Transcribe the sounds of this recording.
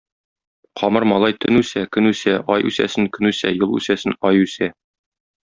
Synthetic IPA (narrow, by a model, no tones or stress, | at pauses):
qʰɒmɤɾmɒlˠɑjt̪ʰɵ̆nʉsækɵ̆nʉsæʔɒjʔʉsæ̰sɘŋkɵ̆nʉsæjolˠʉ̰sæsɘnɒjʉsæ